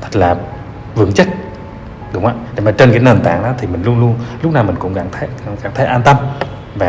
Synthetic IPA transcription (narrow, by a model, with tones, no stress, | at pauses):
t̪ʰə˦˥k̚laː˨˩ | vɨ̰˧˦əŋt͡ɕə˦˥t̚ | ɗʊ˨˦wŋ͡mʔaː˧˨ɗḛ˨˧˦maː˨˩t͡ɕe˧nkaː˨˦ne˨˩nt̪a̰ː˧˨ŋɗɔ̰˨˦t̪ʰi˨˩mï˨˩ŋ̟lu˧ənlu˧ənlʊ˦˥k͡p̚naː˨˩mï˨˩ŋkʊ̰˧˥ŋ͡mkaː˧˩ŋt̪ʰːka˧˩ŋkaː˧˩nt̪ʰe˨˦ʔaː˧nt̪ə˧m | vaː˨˩